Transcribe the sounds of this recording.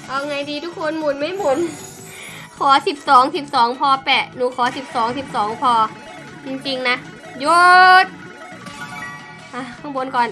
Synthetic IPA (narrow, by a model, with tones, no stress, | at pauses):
ʔa˧˩wŋa˧jdiː˧t̪ʰu˦˥kʰːo˧nmu˨˩n̚ma˧˥˩jmu˨˩n | kʰɔː˩˦si˨˩p̚sɔː˨˩˦ŋsi˨˩p̚sɔː˩˦ŋpʰɔː˧pɛː˨˩nuː˨˦kʰɔː˩˦si˨˩p̚sɔː˩˦ŋsi˨˩p̚sɔː˩˦ŋpʰɔː˧ | t͡ɕi˧ŋt͡ɕi˧ŋna˦˥ʔ | jo˦˥t̪̚ | ʔa˧˩kʰa˧˩bo˧nkɔː˨˩n